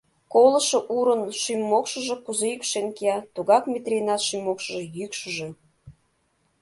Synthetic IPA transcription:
koləʃɤ̆ʔuɾənʃymʲːokʃəʒĕkuzejykʃenkeɑt̪uɣɑkmʲet̪rʲenɑt̪ʃymːokʃəʒɤ̆jykʃəʒe

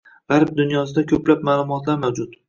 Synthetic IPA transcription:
ʁ̥aɾb̚d̪ʊnjɒs̬ɪd̪akʲʰɵplap̚maːlˠʊmɒt̪laɾmawd͡ʒʊt̪

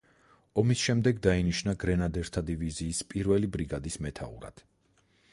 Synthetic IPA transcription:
ɔmisʃɛmd̪ɛɡd̪ainiʃnaɡɾɛnad̪ɛɾt̪ʰad̪iviziːspʼiɾvɛlibɾiɡad̪ismɛt̪ʰa̰ṵɾa̰d̪̥

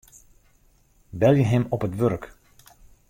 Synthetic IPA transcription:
bɛljəɦɛmɔpɦətʋørk

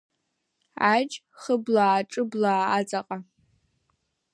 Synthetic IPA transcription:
ad͡ʒ | χəblaːʈ͡ʂʼɨblaːat͡sʼaqʼa

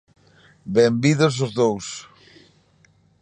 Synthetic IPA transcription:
bɛmbiðosozðows

